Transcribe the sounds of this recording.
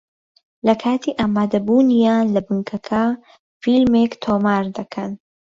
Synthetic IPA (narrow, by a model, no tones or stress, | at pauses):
lɐkʰaːt̪ʰiːʔaːmaːd̪ɐbuːnijaːnlɐbɨŋkʰɐkʰɐ | filmekt̪ʰoːmaːɾd̪ɐkʰɐn